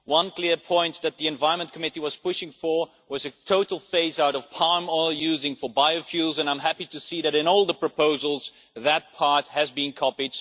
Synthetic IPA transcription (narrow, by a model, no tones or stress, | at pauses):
wʌ̃nkʰl̥ɪɹpʰɔ̃ɪ̃nðɨt̪̚ðiɨ̃ɱvaɪɹ̃nmə̃nkʰəmɪɾiwʌz̥pʰʊʃɪ̃ŋfə˞ | wʌzɨtʰoʊɾl̩ˠfeɪzaʊɾʌv̥pʰɑɹmɔɪlˠjʉzɪ̃ŋfə˞baɪofjʉlˠzɨ̃nãɪ̃mɦæpiɾɨsiðɨɾɨ̃nɔlˠðəpʰɹ̥əpʰoʊzl̩ˠz | ðɨt̚pʰɑɹt̚hɨzbɨ̃nkʰɑpid